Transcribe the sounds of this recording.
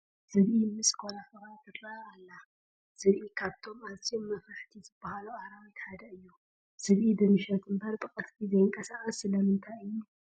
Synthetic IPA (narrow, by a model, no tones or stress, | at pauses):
z̥ɨβʔimɨsʼkʰolafɨɾat̪ʰɐt̪ʼaalːa | z̥ɨβʔikʰaβt̪ʰo̞masiomːɐfɾaħt̪ʰizɨbːahaluaɾaβit̪ħad̪ɐɨjːu | sɨβʔid̪ɨmɨʃɐt̪ʰɨmbaɾbʼɨkʼɐt̪bizɐjɪŋkʼɐsaχʼɐsːɨlɐmɨnt̪ʰajɨjːu